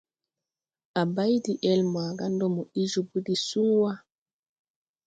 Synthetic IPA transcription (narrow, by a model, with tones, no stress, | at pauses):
ʔa˨ba˦jdiʔɛ˦lmaː˨ɡa˦ndɔ˦mɔ˨i˦d͡ʒubu˦di˨suːwa˦